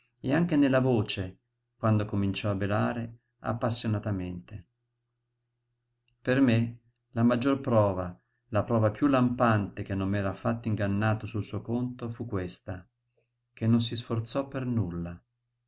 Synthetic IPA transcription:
eaŋk̟enelːavoːt͡ʃe | kwand̪okomint͡ʃɔabːelaːɾe | a̰pːasːjonat̪ament̪e | perme | lamad͡ʒːorpɾɔːva | lapɾɔːvapjulampant̪ek̟enːomːɛːɾafat̪ːaiŋɡanːaːt̪osulsuːokont̪ofukːwest̪a | k̟enːons̬isfort̪sɔpːernulːa

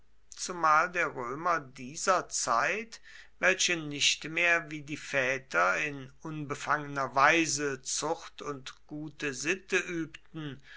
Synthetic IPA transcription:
t͡sumaːldeːɐʁøːmɐdiːzɐt͡sa̰ɪtvɛlɕənɪɕtmeːɐviːdiːfɛːtʰɐɪnʔʊnbəfaŋənɐvaɪzət͡sʊxtʊntɡ̥uːtəzɪtəʔyːptn̩

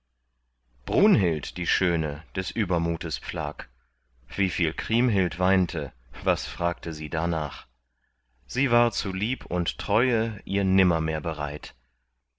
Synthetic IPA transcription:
b̥ʁuːnɦɪltd̥iːʃøːnəd̥ɛsʔyːbɐmuːtəspp͡fla̰ːk | v̥iːfiːlkʁ̥iːmɦɪltv̥aɪntʰə | vasfʁ̥aːk̚təziːdanaːχ | z̥iːvaːɐt͡suliːpʰʊnttʁ̥ɔʏəʔiːɐnɪmɐmeːɐbəʁa̰ɪt

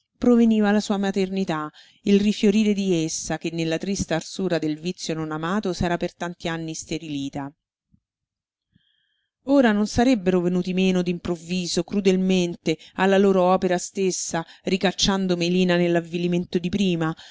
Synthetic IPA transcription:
pɾoveniːvalasuːamat̪ernit̪a | ilrifjoɾiːɾed̪iesːakenːelːat̪ɾist̪aarsuːɾad̪elvit̪sːjononamaːt̪osɛːɾapert̪ant̪ianːist̪eɾiliːt̪a | oːɾanonsaɾebːeɾovenuːt̪imeːnod̪impɾovːiːzokɾud̪elment̪ealːaloːɾoɔːpeɾast̪esːarikat͡ʃːand̪omeliːnanelːavːiliment̪od̪ipɾiːma

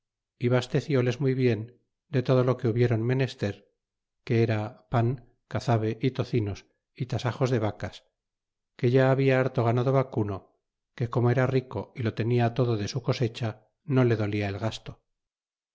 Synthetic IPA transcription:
iβast̪e̞θjo̞le̞zmujβje̞n | d̪e̞t̪o̞ð̞o̞lo̞ke̞uβje̞ɾonme̞ne̞st̪e̞ɾ | ke̞eɾapaŋ | kaθaβe̞ʔit̪o̞θino̞s | it̪asaxo̞zðe̞βakas | ke̞ʝaːβiaaɾt̪o̞ɣ̞anaðo̞βakuno | ke̞ko̞mo̞e̞ɾariko̞ilo̞t̪e̞niat̪o̞ðoðe̞suko̞se̞t͡ʃa | no̞le̞ðo̞liaelɣast̪o̞

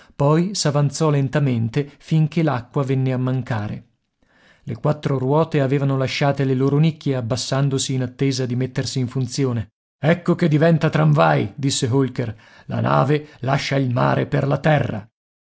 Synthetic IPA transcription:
pɔjsavant̪sɔlent̪ament̪efiŋkelakːwavɛnːeamːaŋkaːɾḛ | lekwat̪ːɾorwɔːt̪eaveːvanolaʃːaːt̪eleloːɾonikʰːjeabːasːand̪osiːnat̪ːeːzad̪imet̪ːersiːɱfunt̪sjoːne | ɛkːoked̪ːivɛnt̪at̪ɾaɱvajd̪isːeɦolker | la̰na̰ːvelaʃːailma̰ːɾḛperlat̪ɛrːa̰

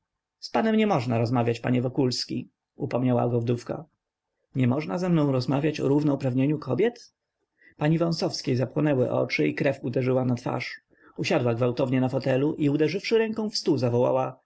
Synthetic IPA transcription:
spanɛmɲɛmɔʐnaɾɔzmavʲjat͡ɕpa̰ɲɛvɔkulskʲḭ | upɔmɲawa̰ɡɔvd̪ufka̰ | ɲɛmɔʐnazɛmnɔ̃w̃ɾɔzmavʲjat͡ɕɔ̰ɾuvnɛupɾavɲeɲukʰɔbʲjɛt̪ | paɲivɔ̃sɔfskʲejzapwɔnɛwɘ̰ʔɔ̰t͡ʂɘikɾɛfud̪ɛʐɘwanat̪fa̰ʂ | uɕad̪waɡvawt̪ɔvɲɛnafɔt̪ɛluʔiud̪ɛʐɘfʂɘɾɛŋkɔ̃w̃fst̪uzavɔwa̰wa

